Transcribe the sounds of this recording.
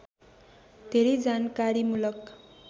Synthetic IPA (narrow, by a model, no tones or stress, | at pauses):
d̪̥ʱeɾed͡zankaɾimulʌk